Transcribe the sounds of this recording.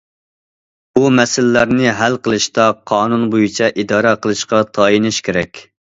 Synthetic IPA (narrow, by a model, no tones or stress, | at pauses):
bumɛsɪlːæɾnɪɦælqəlˠɨʃt̪ɑqʰɑːnunbojit͡ʃʰɛʔid̪ɑːɾɑqʰəlˠɨʃqɑt̪ʰɑːjinɪʃkʲʰeɾɛkʲ